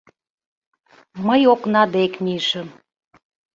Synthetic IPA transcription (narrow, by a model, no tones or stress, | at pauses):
məjoknɑd̪ekmiʃəm